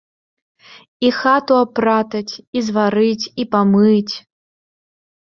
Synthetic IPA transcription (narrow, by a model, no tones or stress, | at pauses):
ixat̪uapɾat̪ɐt͡sʲizvaɾɨt͡sʲipamɨt͡sʲ